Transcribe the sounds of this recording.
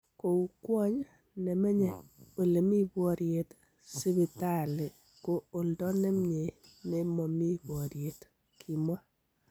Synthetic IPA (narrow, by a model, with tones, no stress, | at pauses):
ko˨u˨kwɔ˦ɲ | ne˨me˦ɲɛ˨o˨le˨mi˦bɔ˨ɾje˨t | si˦bi˨ta˦˨le˨ | ko˦o˨ldɔ˦ne˦mɲe˨ | ne˦mɔ˨mi˦bwɔ˨ɾje˨t | kʰi˨mwa˦